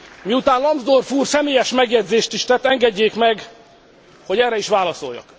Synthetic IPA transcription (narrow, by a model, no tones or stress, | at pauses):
miut̪aːnlɒmbzd̪orfuːrsɛmeːjɛʃmɛɡjɛdzeːʃt̪iʃt̪ɛt̪ːɛŋɡɛɟːeːkmɛɡ | ho̞ɟɛrɛiʃʋaːlɒso̞̰jːɒ̰k